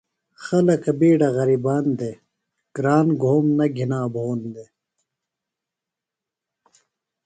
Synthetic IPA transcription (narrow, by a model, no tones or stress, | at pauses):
xɐlɐkɐbiːɖɐɣɐɾibaːnd̪e | ɡ̥ɾaːnɡʱoːmnɐɡʱinaːbʱoːnd̪e